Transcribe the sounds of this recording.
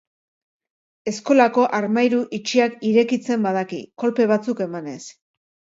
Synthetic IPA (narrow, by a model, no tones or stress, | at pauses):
e̞sko̞lako̞ʔaɾmajɾuʔit͡ʃiakiɾe̞kit͡se̞mbað̞akḭko̞lpe̞β̞at͡suke̞mane̞s